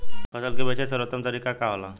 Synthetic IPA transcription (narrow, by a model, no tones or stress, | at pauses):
pəsəlkebət͡ʃesəɾət̪ːəmt̪əɾiːkakaɦla